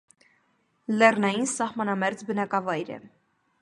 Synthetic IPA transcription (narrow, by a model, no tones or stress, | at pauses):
lɛrnɑjinsɑhmɑnɑmɛɾd͡zbənɑkɑvɑjɾɛ̰